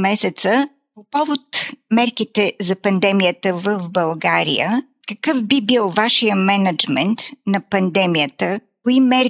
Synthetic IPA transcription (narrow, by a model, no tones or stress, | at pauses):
mɛsɛt̪sə | popɔvot̪mɛɾkit̪ɛzɐpɐnd̪ɛmijət̪əvəfbɐlˠɡaɾḭjə | kəkɤfbibilˠvaʃijəmɛnɐd͡ʒmɛnt̪nɐpɐnd̪ɛmijət̪əkoimɛɾ